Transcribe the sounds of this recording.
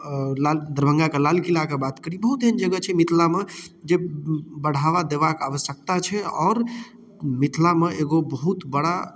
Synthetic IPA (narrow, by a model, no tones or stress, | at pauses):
lald̪əɾbʱə̃ŋɡakelalkilakebat̪kəɾibəɦut̪̚d̪ʱind͡ʒəɡət͡ʃʰɛmit̪ʰlamed͡ʒebəɽ̤ʱaʋad̪eʋakaʋəsjək̚t̪at͡ʃʰɛɔːɾ | mit̪ʰlameʔeɡobəɦut̪bəɽa